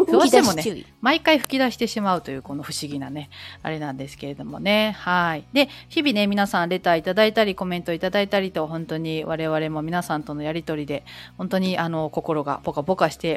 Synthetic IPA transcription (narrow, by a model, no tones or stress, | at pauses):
soːemonemaikaiɸɯ̥kʲid̪aɕi̥t̪e̞ɕimaɯ̟t̪o̞jɯ̟ːko̞no̞ɸɯ̟ɕiɡʲinane̞a̰ɾe̞nãnd̪e̞sɨ̥ke̞ɾe̞d̪o̞mo̞̰ne̞haid̪e̞çibʲine̞mʲinasãnɾe̞t̪aːit̪ad̪ait̪aɾʲiko̞mẽ̞nt̪o̞it̪ad̪ait̪aɾʲit̪o̞ɦõ̞nt̪o̞ɲ̟iβaɾe̞βaɾe̞mo̞mʲinasãnt̪o̞no̞jaɾʲit̪o̞ɾʲid̪e̞hõ̞nt̪o̞ɲ̟iʔano̞ko̞ko̞ɾo̞ɡa̰b̥o̞kabo̞kaɕi̥t̪e̞